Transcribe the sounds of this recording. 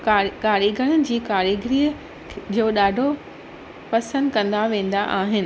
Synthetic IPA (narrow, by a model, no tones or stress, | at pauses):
kaːɾiːɡʱəɽ̃əd͡ʑiːkaːɾiɡɾiːə | d͡ʑoːɗaːɖʱo | pɐsə̃nd̪kɐ̃nd̪aʋẽːn̆d̪aʔaːɦɪnɪ̆